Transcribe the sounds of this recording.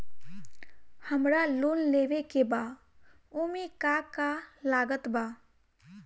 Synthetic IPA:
həmɾaluːnleːʋekebaː | umikakalaːɡət̪baː

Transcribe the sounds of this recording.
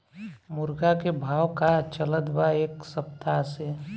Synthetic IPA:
mʊɾɡakebʱaːwkat͡ʃələd̪baeːksəp̚t̪ase

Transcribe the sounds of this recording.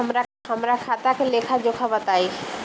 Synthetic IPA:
mɾaɦəmɾakʰat̪akeleːkʰad͡ʒokʰabət̪aːi

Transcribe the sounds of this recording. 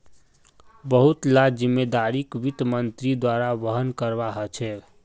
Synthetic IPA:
bəɦut̪lad͡ʒimːed̪aɾikʋit̪mənt̪ɾid̪waɾaʋəɦənkəɾbaɦət͡ʃʰɛ

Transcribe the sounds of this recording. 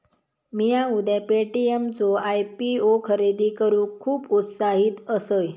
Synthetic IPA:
mijãud̪ʱɛpeʈiemt͡soajpiokʰəɾed̪iːkəɾũːkʰuːput̪saɦiːt̪əsəj

